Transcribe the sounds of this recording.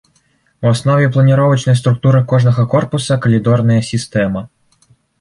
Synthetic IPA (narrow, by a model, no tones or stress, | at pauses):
wɔsnɔʋʲiplˠɐnʲiɾɔʋɐt͡ʃnɔjst̪ɾʊk̚t̪uɾɪkɔʐnɔɣɔkɔrpʊsɐkɔlʲid̪ɔrnɐjɐsʲist̪ɛmɐ